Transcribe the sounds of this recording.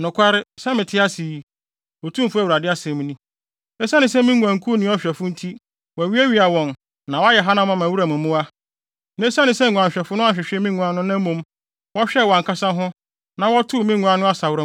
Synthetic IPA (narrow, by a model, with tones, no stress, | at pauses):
nʊ̃˨kʰʷa˦ɾɪ˦sɛ˦mɪ̃˨tʰɪ˦a˦si˨ | ɔ˨tʰũ˦m˦fʊ˦æ˦wu˨ɾa˨dɪ˦a˦sɛ̃˨m˦nĩ˦ | ɛ˦sã˦nɪ̃˨˦s̬ɛ˦mĩ˦ŋũ˨ã˨ŋ˨kʰu˦nɪ̃˦ɔ˦ɕᶣɛ˨fʊ˦n̩˦tʰi˦ | wɔ˨ɥi˦æ˦ɥi˦a˨wɔ̃˨n | nã˨wɔ˦jɛ˨ɦa˦nã˦mã˨mã˨wu˦ɾa˨mʊ̃˨mːʊ̃˦a˦ | n˦e˦sa˦nɪ̃˨sɛ˦˨ɡʷũ˨ã˨ɲ˨ɕᶣɛ˨fʊ˦nʊ̃˦a˦ɕᶣɪ˨ɕᶣɛ˦mĩ˦ŋũ˨˦a˦nʊ̃˦nã˦mõ˦m | wɔ˦ɕᶣɛ˦˨wɔ̃˨ŋ˨kʰa˦sã˦ɦʊ̃˦ | nã˨wɔ˦tʰʊ˦˨mĩ˦ŋũ˦a˦nʊ̃˦a˦sa˨wʊ˦ɾa˨